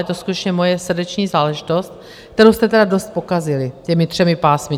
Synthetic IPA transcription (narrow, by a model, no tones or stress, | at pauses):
jɛt̪oskut̪ɛt͡ʃɲɛmo̞jɛsr̩dɛt͡ʃɲiːzaːlɛʒɪt̪o̞st̪̚ | kkt̪ɛɾowst̪ɛt̪ɛdado̞st̪̚po̞kazɪlɪcɛmɪt̪r̥ɛmɪpaːsmɪ